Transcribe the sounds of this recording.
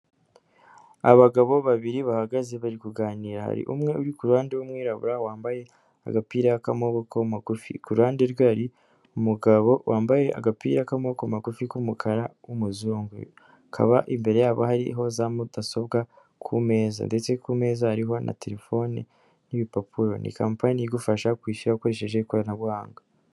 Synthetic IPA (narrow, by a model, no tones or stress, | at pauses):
aβaɡaβo̞βaβiɾiβahaɡaze̞βaɾikuɡaːniːɾaha̰ɾḭʔumŋe̞ʔuɾikuɾuhaːndewumŋiːɾaβṵɾawaːmbaje̞ | a̰ɡapiːɾakamo̞βokomaɡufḭkuɾuaːnde̞ɾɡwaɾi | umuɡaβo̞wʔaːmbaje̞ʔa̰ɡapḭːɾakamo̞komaɡufikumukʰaɾawumuzuːŋɡṵ | kʰa̰βaʔimbe̞ɾe̞jaːβohaɾiɦo̞zamudaso̞b̚ɡa | kʰume̞ːza̰nde̞t͡se̞kuːme̞ːzahaɾiɦo̞na̰te̞ɾe̞fo̞nḭ | niβipapʰuɾo̞̰nʔḭkaːmpanijiɡufaʃakwiːʃuɾauko̞ɾe̞ʃe̞ʒekoɾanaβwaːŋɡa